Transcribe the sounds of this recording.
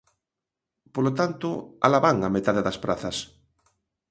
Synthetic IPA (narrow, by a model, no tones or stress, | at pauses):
polot̪ant̪oa̰laβaŋamet̪aðeðɐspɾaθɐs